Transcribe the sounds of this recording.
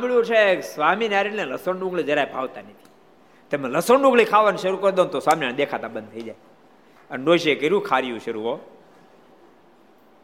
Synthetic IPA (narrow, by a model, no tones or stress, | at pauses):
ãmbɭjũt͡ʃʰesʋaminaɾinnẽləsoɳɖũŋɡled͡ʒəɾaebʱaʋt̪anət̪ʰi̥ | t̪emẽləsoɳɖũŋɡlikʰaʋanʃəɾukəɾd̪õnt̪osʋaminand̪ekʰat̪abənd̪̚t̪ʰəid͡ʒaj | ənnoːʃekəɾũkʰaɾijũʃəɾuɦo